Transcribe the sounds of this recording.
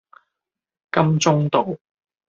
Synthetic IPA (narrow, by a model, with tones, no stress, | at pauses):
kɐ˥mt͡sʊ˥ŋt̪o˨w